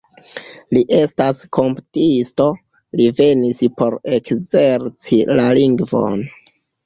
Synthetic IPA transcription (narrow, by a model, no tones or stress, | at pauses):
liʔe̞staskʰo̞mptisto̞ | live̞nispo̞ɾe̞kze̞ɾt͡silaliŋɡvo̞̰n